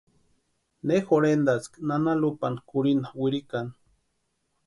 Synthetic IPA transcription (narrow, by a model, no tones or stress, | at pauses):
nexoɾend̪at͡sknanalupankuɾinawiɾikan